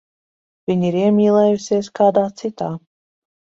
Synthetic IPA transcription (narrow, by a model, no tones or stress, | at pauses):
vʲiɲiɾiɛmʲiːlˠɛːjusʲiɛskaːd̪aːt̪sit̪aː